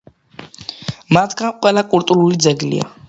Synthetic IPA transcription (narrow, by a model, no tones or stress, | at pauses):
mat̪ʰɡanqʼwɛlakʼult̪ʼuɾulid̪zɛɡlḭa̰